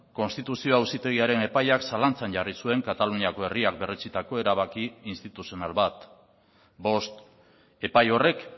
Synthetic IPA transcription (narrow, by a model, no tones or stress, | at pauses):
ko̞nst̪it̪usio̞awsit̪e̞ɣ̞iaɾe̞ne̞pajaksalant͡sanʝarisue̞ŋkat̪aluniako̞e̞riak̚be̞ret͡sit̪ako̞e̞ɾaβ̞akiːnst̪it̪usio̞nalβat̪ | bo̞st̪ | e̞pajo̞re̞k